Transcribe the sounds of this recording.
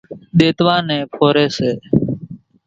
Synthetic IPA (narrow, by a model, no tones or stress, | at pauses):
ɗ̪eːt̪ʋãːnẽːpʰoːɾeːseː